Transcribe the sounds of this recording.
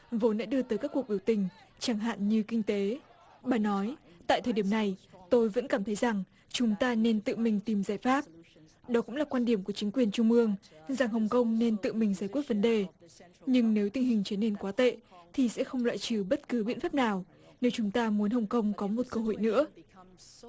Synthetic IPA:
vo˨˦nɗa̰ː˧˥ɗɨ˧ət̪əː˨˦kaː˦˥kːu˨˩əɓi˧˩əwt̪ï˨˩ŋ̟t͡ɕaː˧˩ŋɦa̰ː˧˨nɲɨ˧kï˧ŋ̟t̪e˨˦ | ɓaː˨˩nɔ˨˦jt̪a̰ː˧˨jt̪ʰəː˨˩jɗi˧˩ə˨mna˨˩jt̪o˧jvə̰˧˥nkaː˧˩mt̪ʰə˨˦jza˨˩ŋ | t͡ɕʊ˨˦ŋ͡mt̪aː˧ne˧nt̪ɨ̰˧˨mï˨˩ŋ̟t̪i˨˩mzaː˧˩jfaː˦˥p̚ | ɗɔ˨˦kʊ̰˧˥ŋ͡mlaː˨˩kwaː˧nɗi˧˩əmku˧˩ət͡ɕï˨˦ŋ̟kwi˨˩ənt͡ɕʊ˧ŋ͡mʔɨ˧əŋza˨˩ŋɦə˨˩wŋ͡mkə˧wŋ͡mne˧nt̪ɨ̰˧˨mï˨˩ŋ̟zaː˧˩jkwət̚və˨˦nɗe˨˩ɲɨ˧ŋne˨˦wt̪ï˨˩ŋ̟hï˨˩ŋ̟t͡ɕi˨˦ne˧nkwaː˨˦t̪ḛ˧˨t̪ʰi˨˩sɛ̰˧˥xə˧wŋ͡mlwa̰ː˧˨jt͡ɕɨ˧˩ɓə˦˥t̚kɨ˨˦ɓḭ˧ənfaː˦˥p̚naː˨˩w | ne˨˦wt͡ɕʊ˨˦ŋ͡mt̪aː˧mu˨˦ənɦə˨˩wŋ͡mkə˧wŋ͡mkɔ˨˦mo˨˩t̚kəː˧ɦo̰˧˨jnɨ̰˧˥ə

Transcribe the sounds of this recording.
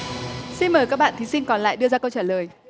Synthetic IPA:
si˧nməː˨˩jkaː˦˥k̚ɓa̰ː˧˨nt̪ʰi˨˦sï˧ŋ̟kɔ˨˩nla̰ː˧˨jɗɨ˧əzaː˧kə˧wt͡ɕaː˧˩ləː˨˩j

